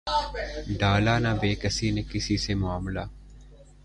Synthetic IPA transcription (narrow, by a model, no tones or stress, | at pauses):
ɖaːlaːnaːbeːkəsiːnekɪsiːsemʊaːmlaː